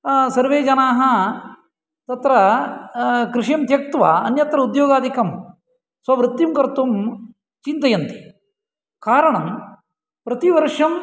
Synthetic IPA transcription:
sɐɾʋeːd͡ʒɐnaːɦɐ | t̪ɐt̪ɾɐ | kɾɪʂjɐmt̪jɐk̚t̪ʋɐ̰ɐnjɐt̪ɾɐud̪joːɡaːd̪ʱikɐm | sʋɐʋɾɨt̪ːjimkɐɾt̪um | t͡ʃint̪ɐjɐnt̪i̥ | kaːɾɐɳɐm | pɾɐt̪iʋɐɾʂɐm

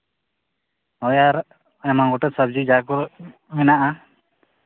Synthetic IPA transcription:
ɔjaɾ | ɛmaŋɡɔʈɔt̪sab̚d͡ʒid͡ʒakɔɾ | mɛnaʔa

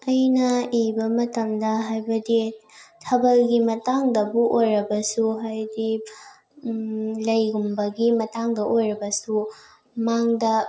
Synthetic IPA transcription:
ɐjnɐibɐmɐtɐmdɐɦajbɐditʰɐbɐlɡimɐtaŋdɐbuʔojɾɐbɐsuɦajdi | lɐjɡumbɐɡimɐtaŋdɐʔojɾɐbɐsu | maŋdɐ

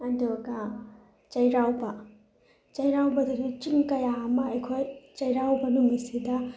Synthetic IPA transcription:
ɐndoɡa | t͡ʃɐjɾawbɐ | t͡ʃɐjɾawbɐdiɡit͡ʃiŋkɐjaɐmɐːjkʰojt͡ʃɐjɾawbɐnuŋisidɐ

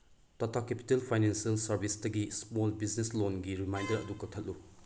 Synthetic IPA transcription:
tɐtʰakepi̥telpʰajnensɐlsɐɾbʱisdɐɡismolbizneslonɡiɾimajndɐɾɐ̰dukɐk̚tʰɐt̚lu

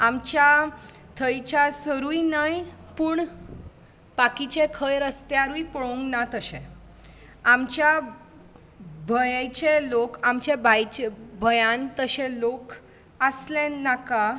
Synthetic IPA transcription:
amt͡ɕja | t̪ʰəjt͡ɕasəɾujinajpuːɳ | bakit͡ɕekʰəjɾəst̪eaɾuipəɭõŋɡnat̪əɕẽ | amt͡ɕja | bʱəjajt͡ɕelokamt͡ɕebʱajt͡ɕebʱəjãnt̪əɕẽlok | əslẽnːaka

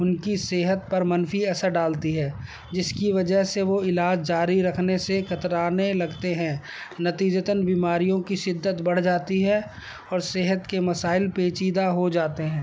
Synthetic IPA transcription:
ʊnkiseːɦət̪̚pɐɾmɐnfiɐsəɾɖaːlt̪iɦɛː | d͡ʒɪskiʋɐd͡ʒəɦseʋoɪlaːd͡ʒd͡ʒaːɾiɾɐkʰnesexɐt̪ɾaːnelɐɡt̪eɦɛ̃ː | nɐt̪iːd͡ʒət̪ənbiːmaːɾijõkiʃɪd̪ːət̪bɐɽ̤d͡ʒaːt̪iɦɛ | ɔːɾseːɦət̪kemɐsaːɪlpeːt͡ʃiːd̪aɦod͡ʒaːt̪eɦɛ̃ː

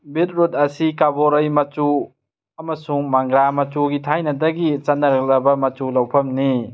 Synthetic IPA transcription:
bit̚ɾutɐsikaboɾɐjmɐt͡ʃu | ɐmɐsuŋmaŋɡɾamɐt͡ʃuɡitʰajnɐdɐɡit͡ʃɐnːɐɾɐk̚lɐbɐmɐtulɐwpʰɐmni

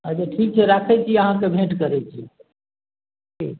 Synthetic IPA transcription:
əd͡ʒeʈʰik̚t͡ʃʰɛɾakʰɛt͡ʃʰiəɦãkebʱẽʈkəɾɛt͡ʃʰi | ki

